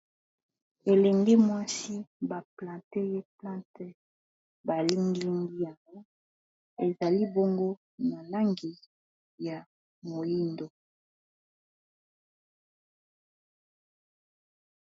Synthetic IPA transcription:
e˨lɛ˨ŋɡe˦mwa˦si˦ba˨plã˨te˦je˦plã˦te˦ | ba˨li˦ŋɡi˦ŋɡi˦a˨ŋɡo˦ | e˨za˨li˦bo˦ŋɡo˦ | na˨la˦ŋɡi˨ | ja˨ | mo˨ji˦ndo˨

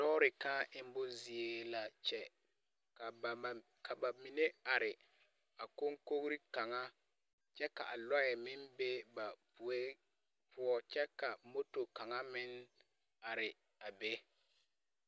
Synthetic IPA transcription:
dɔː˦ɾɪ˨kaː˦ɪ˨m˦bʊ˦zi˨e˨la˨t͡ʃɛ˦ | ka˨ | kʰa˨ba˨mi˨ne˦a˨ɾɪ˨ | a˨ko˦ŋko˦ɣɾi˦ka˨ŋa˦ | t͡ʃɛ˦ka̰˨ʔa˨lɔ˦ɛ˨mɪ˦mbe˦ba˨˦ | pʰʊ˦ɔ˦t͡ʃɛ˦ka˨mo˦to˨ka˨ŋa˦mɪ˦n˦ | a˨ɾɪ˨ | a˨be˦

